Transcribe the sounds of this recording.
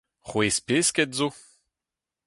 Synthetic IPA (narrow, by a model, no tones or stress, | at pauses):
χwespeːskɛtzo